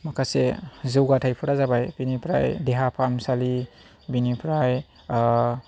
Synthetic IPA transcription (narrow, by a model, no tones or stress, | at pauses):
makʰasḛzɯwɡatʰajpʰuɾazabajbinipʰɾa̰jdeɦapʰamsali | binipʰɾaj